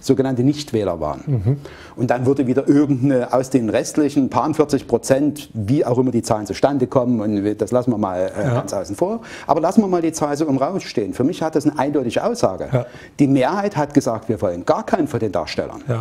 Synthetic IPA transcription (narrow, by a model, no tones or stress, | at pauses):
z̥oːɡənantənɪçtv̥ɛːlɐ̰va̰ːʁən | ʔʊntd̥anvʏɐdəviːdɐʔɪɐɡŋ̩tnəʔaʊsd̥eːnʁɛstlɪçn̩pʰaːɐʊntfɪɐt͡sɪçpʁ̥ot͡sɛntviːaʊxʔɪmɐdiːt͡saːlənt͡suʃtandəkʰɔmənʊntd̥aslasn̩viːɐma̰ːlʔɛɡ̥ant͡sʔaʊsn̩foːɐʔaːbɐlasn̩viːɐmaːldiːt͡saːlzoːʊmʁaʊsʃteːənfyːɐmɪçhat̚d̥asnəʔaɪndɔʏtɪɡəʔa̰ʊsz̥a̰ːɡə̰ | d̥iːmeːɐhaɪthatɡ̥əzaːk̚tv̥iːɐvɔlənɡ̥aːɐkʰaɪnfɔndeːnda̰ːʃtɛ̰lɐ̰n